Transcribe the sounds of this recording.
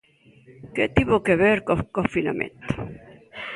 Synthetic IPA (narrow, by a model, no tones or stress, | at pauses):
ket̪iβokeβeɾkokofina̰mḛ̃nt̪o̥